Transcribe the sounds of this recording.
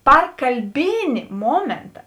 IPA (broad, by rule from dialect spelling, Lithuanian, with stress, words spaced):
ˈpɐr kɐlʲˈbʲeːnʲɪ ˈmoːmʲeːntɐ